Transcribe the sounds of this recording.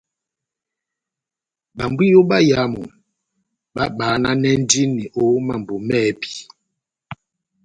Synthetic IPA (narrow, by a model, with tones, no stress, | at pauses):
ɓa˨mbi˦jo˦ɓa˦ja˨˦mɔ̰˨ | ɓa˦ɓaː˨˦na˦nɛ˦n̩˦di˦nːi˨ʔo˨˦ma˨m˨bo˨mɛ˦bi̥˨